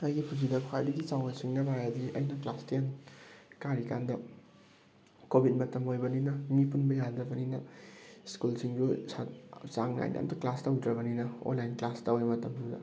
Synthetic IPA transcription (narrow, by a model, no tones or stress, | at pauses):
ɐjɡipʰud͡ʒidɐkʰwajdɐɡit͡ʃawnasiŋnɐbajadiɐ̰jnɐklastijankaɾikandɐ | kobʱit̚mɐtɐmojbɐninɐmipunbɐjadɾɐbɐninɐskulsiŋd͡ʒusat͡ʃaŋna̰jna̰mtɐklastɐwdɾɐbɐninɐo̰nlajnklastawemɐtɐmdudɐ̰